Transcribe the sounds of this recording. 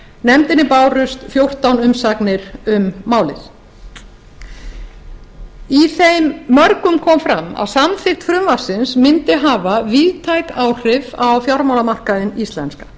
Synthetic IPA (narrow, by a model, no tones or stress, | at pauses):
nɛmt̪ɪnːɪpaːwrʏst̪fjowr̥t̪awnʏmsaknɪɾʏmːaːwlɪθ | iθejmːœɾkʏmkʰɔmfɾama̰ðsamθɪxt̪fɾʏmvḁsɪnsmɪnt̪ɪɦaːvaviðt̪ʰajkaːwr̥ɪvawfjaɾmawlamar̥kaðɪnist̪lɛ̰nskḁ